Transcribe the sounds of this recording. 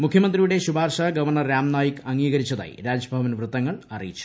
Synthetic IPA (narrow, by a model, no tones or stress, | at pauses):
mukʰjɐmɐnd̪rijuɽe̞ɕubʱaːrʂaɡɐʋɐrɳɐɾaːmnaːjikɐŋɡiːɡɐɾit͡ɕːɐða̰ːjḭɾaːd͡ʑbʱɐʋɐnʋrɨt̪ːɐŋːɐɭɐrḭjit͡ɕːu̥